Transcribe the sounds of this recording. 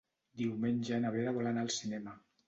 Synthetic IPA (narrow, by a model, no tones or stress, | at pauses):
d̪iwmeɲʲʒaenaβeðaβɔlanalˠsinɛma